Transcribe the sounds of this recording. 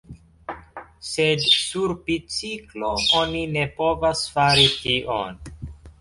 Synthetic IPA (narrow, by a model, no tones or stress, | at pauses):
sedsuɾpit͡sikloonine̞po̞vasfaɾitiʔo̰n